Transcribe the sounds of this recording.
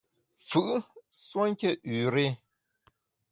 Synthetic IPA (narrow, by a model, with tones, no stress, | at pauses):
fɯ˨ʔswo˦ŋ˦ke˦ʔʉː˨ɾe˦